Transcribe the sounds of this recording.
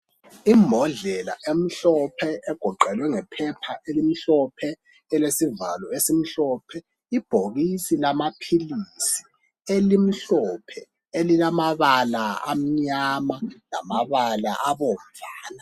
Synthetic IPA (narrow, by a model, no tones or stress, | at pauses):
imbʱɔɮɛla̰ʔem̩ɬɔpʰɛɛɡ̥ʱɔǃɛlwɛŋɛpʰɛpʰaʔelim̩ɬɔpʰɛ | ɛlesivalɔesim̩ɬɔpʰɛ | ib̥ʱoɣisilamapʰilisi̥ | elim̩ɬɔpʰɛ | elilamaβalaa̰m̩ɲamala̰maβala̰ʔaβom̩vaːna